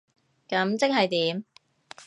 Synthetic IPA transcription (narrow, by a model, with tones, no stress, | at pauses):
kɐ˨˧˥mt͡sɪ˥k̚ɦɐ˨jt̪iː˨˥m